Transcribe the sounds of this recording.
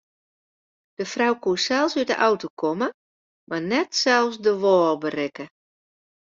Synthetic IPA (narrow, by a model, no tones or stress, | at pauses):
d̥əfrawkuəsɛlˠsydə̰ʔawtokʰɔmə | marnɛtsɛlˠsdəʋɔːlbərɪkə